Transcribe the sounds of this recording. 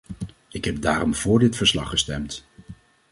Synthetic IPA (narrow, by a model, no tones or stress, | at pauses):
ɪkɦɛb̚daːɾɔmvʊːɹdɪtfəɹslɑχːəstɛmt